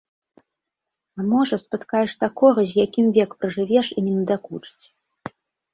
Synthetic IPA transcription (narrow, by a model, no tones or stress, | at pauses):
amɔʐɐspɨt̪kajɛʂt̪akɔɣɐzʲjakʲimvʲɛkpɾɐʐɨvʲɛʂinʲɛnɐd̪akut͡ʂɨ̥t͡sʲ